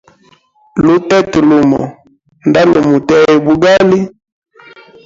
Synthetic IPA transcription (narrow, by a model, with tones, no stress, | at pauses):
lu˨tɛ˦ti˨lu˨mɔ̰˨ | nda˦lo˨mu˨tɛ˦ɛ˨bu˨ɡa˦li˦